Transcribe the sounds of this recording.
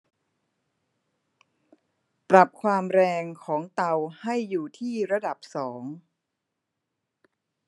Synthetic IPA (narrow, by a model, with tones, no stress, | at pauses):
pɾa˨˩p̚kʰwaː˧mɾɛː˧ŋkʰɔː˩˦ŋt̪a˧wha˥˩jːuː˨˩t̪ʰiː˥˩ɾa˧da˨˩p̚sɔː˩˦ŋ